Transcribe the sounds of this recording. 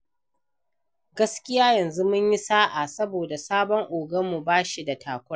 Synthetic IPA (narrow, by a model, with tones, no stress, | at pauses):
ɡɐ˦skʲɪ˦jaː˦jɐ˨nzu˦mʊ˦ɲji˦saː˦ʔa˨sɐ˦boː˨da˨saː˦bɔ˦ŋʔoː˨ɡɐ˦mmːu˨baː˦ʃi˨da˨tʰaː˨kʷʊ˦ɽa˦